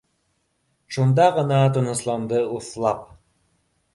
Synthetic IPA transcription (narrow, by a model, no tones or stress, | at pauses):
ʃund̪ɑʁənɑt̪ŏnɤ̆slˠɑmd̪ɤuθlˠɑp̚